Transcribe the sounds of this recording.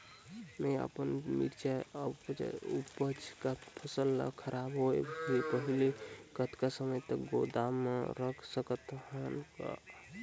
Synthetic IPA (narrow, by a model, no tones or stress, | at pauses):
meə̰pənmḭɾt͡ʃaəpt͡ʃa̰upət͡ʃʰkapʰəsəlːa̰kʰəɾʔabɦoḛepəɦilekət̪kasəməjt̪əɡod̪amḛɾəkʰsəkət̪ɦanka̰